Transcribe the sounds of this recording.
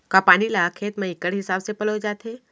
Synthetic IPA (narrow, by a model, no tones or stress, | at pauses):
kapaːnilakʰeːt̪mẽɪkːəɽɦɪsaːbsepəlod͡ʒaːt̪ɦeː